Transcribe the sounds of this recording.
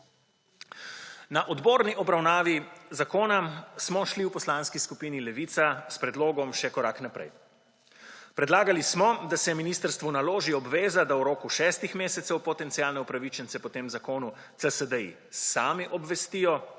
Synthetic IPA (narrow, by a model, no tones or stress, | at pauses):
naʔɔd̪boːɾniʔɔbɾawnaːʋizakoːnasmɔʃliwpɔslaːnskiskupiːnilɛʋiːt̪saspɾɛd̪loːɡɔmʃɛkɔɾaknapɾɛ̰j | pɾɛd̪laːɡalismɔd̪asɛminiːst̪əɾst̪ʋunaloːʒiɔbʋeːzad̪awɾoːkuʃɛːst̪ixmeːsɛt̪sɛwpɔt̪ɛnt̪siaːlnɛupɾaʋit͡ʃɛnt̪sɛpɔt̪eːmzakoːnu | t̪səsəd̪əḭ | saːmiʔɔbʋɛst̪iːjɔ